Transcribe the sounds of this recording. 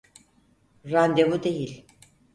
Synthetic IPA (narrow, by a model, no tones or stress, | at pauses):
ɾand̪evud̪ejilʲ